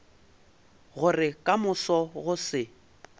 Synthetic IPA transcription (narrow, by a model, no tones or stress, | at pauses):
ɣʊrɪkʼamʊsɔɣʊsɪ